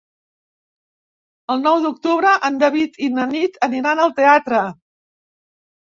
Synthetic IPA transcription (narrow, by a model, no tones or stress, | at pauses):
əlˠnɔwd̪uk̚t̪uβɾəʔənd̪əβit̪inənit̪əniɾanəlˠt̪eat̪ɾə